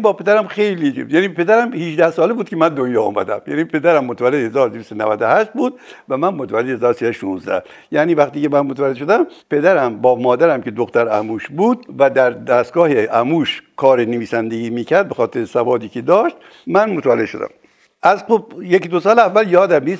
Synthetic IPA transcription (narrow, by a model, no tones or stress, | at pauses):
bɒːpʰe̞d̪æɾæmxejlijæːniːpe̞d̪æɾæmhiʒd̪æhsɒːlebuːd̪̚kʰʲemænd̪onjɒːɔ̰ːmæ̰d̪æ̰mjæ̰ːniːpʰe̞d̪æɾæmːot̪ʰævælːed̪hezɒːɾod̪evist̪nævæd̪ohæʃt̪̚buːd̪̥̚væmænmot̪ʰævælːed̪ehezɒːɾosiːsæʃuːnzd̪æ̰h | jæːniːvæxt̪iːkemænmot̪ævælːeʃod̪æmpe̞d̪æɾæmbɒːmɒːd̪æɾæmke̞d̪oxt̪æɾæmuːʃbuːd̪væd̪æɾd̪æst̪ɡɒːheʔæmuːʃkʰɒːɾeneviːsænd̪eɡiːmiːkʰæɾd̪̚bexɒːt̪ʰeɾesævɒːd̪iːkʰed̪ɒːʃt̪̚ | mænmot̪ʰvælːed̪ʃo̞d̪æ̰m | ʔæzxob̚jekid̪osɒːleævːæljɒːd̪æmniːs